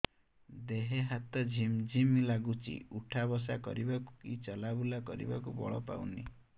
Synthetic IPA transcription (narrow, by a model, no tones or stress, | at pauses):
d̪eɦeɦat̪ɔd͡ʒʱimd͡ʒʱimlaɡut͡ʃʰḭuʈʰabɔs̬akɔ̰ɾibakukit͡ʃɔlabulakɔɾḭbakubɔ̰ɭɔ̰pa̰wni